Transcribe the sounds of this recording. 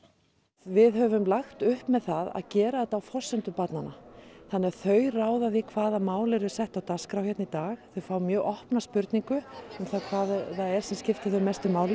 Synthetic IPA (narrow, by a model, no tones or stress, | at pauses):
vɪðɦœvʏmlaxt̪ʏhpmɛðθaða̰ðcɛːɾaɛt̪awfɔ̥sːɛnt̪ʏpat̪nana̰θanːɛɾθœːɥraːwðaðikʰvaːðamaːwlɛɾʏ̥sɛht̪awt̪askɾawçjɛt̪nit̪aːxθœɥfaːwmjœːɣʔɔhpnaspʏɾt̪niŋkʏʏmθakʰvaːðθaðɛɾ̥sɛmscɪft̪ɪθœmɛst̪ʏmaːwlɪ